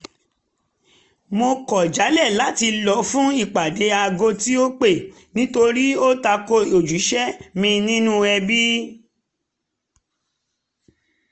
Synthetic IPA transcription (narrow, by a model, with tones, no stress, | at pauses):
mo˧kɔ˨d͡ʒa˨˦lɛ˦˨la˨˦ti˧lɔ˨fũ˦i˦˨k͡pa˨de˨˦a˧ɡo˧ti˦o˦k͡pe˦˨ | nĩ˨˦to˧ɾi˦o˦ta˧ko˧o˨d͡ʒu˨˦ʃɛ˦mĩ˧nĩ˦nũ˦ɛ˧bi˦